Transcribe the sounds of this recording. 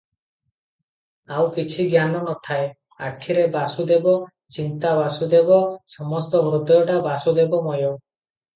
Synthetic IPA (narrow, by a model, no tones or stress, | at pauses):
awkit͡ʃʰiɡʱjanɔnɔt̪ʰae | a̰kʰːiɾebasud̪ebɔ | t͡ʃint̪abasud̪ebɔsɔmɔst̪ɔmɾud̪ɔjɔʈabasud̪ebɔmɔjɔ